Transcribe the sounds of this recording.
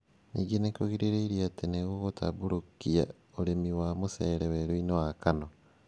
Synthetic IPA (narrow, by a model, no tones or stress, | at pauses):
niɡinekoɣiɾiɾeiɾiateneɣuɣotʰa̰βuɾukia̰ | olemiwamuseːɾeweɾuinoakano